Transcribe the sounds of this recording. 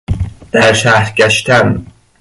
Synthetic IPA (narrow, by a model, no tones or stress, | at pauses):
d̪̥æɾʃæhɾɟæʃt̪æn